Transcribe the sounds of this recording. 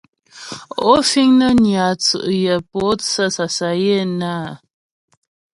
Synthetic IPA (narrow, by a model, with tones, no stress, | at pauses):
o˦fi˦ŋnə˦nja˨t͡sɨ̰˨ʔjə˨po˨˦t͡sə˦sa˨sa˨je˦˨na˦˨